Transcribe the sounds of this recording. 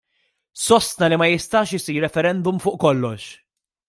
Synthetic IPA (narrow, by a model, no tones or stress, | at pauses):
sɔst̪nɐlimɐjɪst̪ɐːʃɪsiːɾːɛfɛɾɛnd̪ʊmfʊːʔkɔlːɔʃ